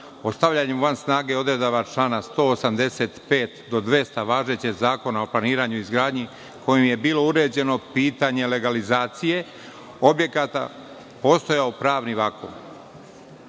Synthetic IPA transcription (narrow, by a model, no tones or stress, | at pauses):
ost̪aʋlʎaɲemʋansnaːɡe̞o̞d̪ɾed̪oʋat͡ʃlaːnast̪o̞ːosamd̪e̞se̞t̪pe̞ːt̪d̪o̞d̪ʋe̞st̪aʋaːʒet͡ɕeɡzaːko̞naoplˠaniːɾaːɲuizɡɾaːd̪ɲi | ko̞jimje̞biːlo̞uɾe̞ːd͡ʑe̞no̞piːt̪aɲe̞le̞ɡalizaːt̪sije̞ | o̞bje̞kat̪a̰ | po̞ːst̪o̞jaopɾaːʋniʋako̰ːn